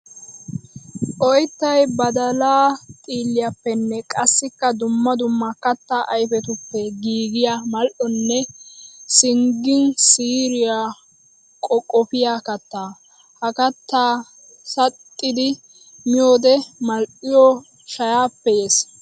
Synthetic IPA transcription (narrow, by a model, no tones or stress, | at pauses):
ʔɔjt̪ːɐjbɐd̪ɐlaːt̪ʼiːlːɪjapːɛnːɛkʼɐsːɪkːɐd̪ʊmːɐd̪ʊmːɐkɐt̪ːaːʔɐjfɛt̪ʊpːɛɡiːɡɪjamɐlʔɔnːɛ | sɪŋɡɪnsiːɾɪjaː | kʼɔkʼːɔpɪjaːkɐt̪ːaː | hɐkɐt̪ːaː | sɐt̪ʼːɪd̪ɪ | mɪjoːd̪ɛmɐlʔɪjɔ | ʃɐjaːpːɛeːs